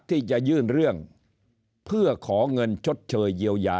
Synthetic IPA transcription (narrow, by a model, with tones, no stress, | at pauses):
t̪ʰːiː˥˩t͡ɕa˨˧ʔjɯː˥˩nɾɯ˥˩əŋ | pʰɯ˥˩ɐkʰɔː˩˦ŋɤ˧nt͡ɕʰo˦˥t̪̚t͡ɕʰɤː˧jːi˧əwjaː˧